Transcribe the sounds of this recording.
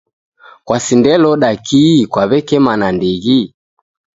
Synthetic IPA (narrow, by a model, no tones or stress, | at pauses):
kwasindɛlɔɗakʰikwaβɛkɛmanandiɣi